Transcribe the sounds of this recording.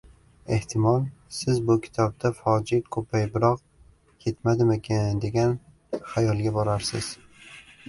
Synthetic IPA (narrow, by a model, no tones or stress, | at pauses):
e̞ht̪ʰɪmɒlˠsɪzbʊkʲʰɪ̥t̪ʰɒb̚d̪afɒd͡ʒɪkʰɵpʰajbɪɾɒq̚ | kʲʰe̞t̪mad̪ɪmekʲʰɪnd̪e̞ɡʲan | hajɒlˠɡʲabɒɾaɾsɪz̥